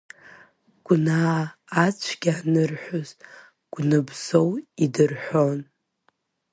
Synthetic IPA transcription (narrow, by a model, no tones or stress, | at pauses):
ɡ̥ʷnaː | t͡ɕʷʰɡʲanɨrħʷᶣʊz̥ | ɡ̥ʷnɨbzo̞widɨrħʷon